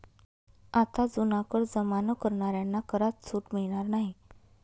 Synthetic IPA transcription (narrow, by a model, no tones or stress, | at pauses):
at̪ad͡zunãkəɾd͡zəmanəkəɾɳaɾjanːakəɾat͡ssuːʈmiɭɽ̃aɾnaɦi